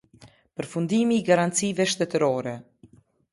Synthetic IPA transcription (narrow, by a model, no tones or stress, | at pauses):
pəɾfund̪imiːɡaɾant̪t͡sivɛʃt̪ɛt̪əɾɔɾɛ